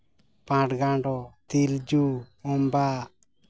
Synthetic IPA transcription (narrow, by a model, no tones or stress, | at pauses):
pãʈɡãɖɔt̪ild͡ʒuɔmba